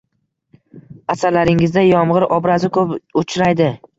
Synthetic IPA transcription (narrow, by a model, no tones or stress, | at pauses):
asaɾlaɾɪŋɪzd̪ajɒmʁɨɾʔɒbɾazɪkʰɵpʊt͡ʃʰɾajd̪ɪ